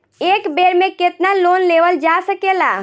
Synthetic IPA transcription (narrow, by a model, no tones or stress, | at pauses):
ekbeɾmẽket̪nalonleʋəld͡ʒasəkela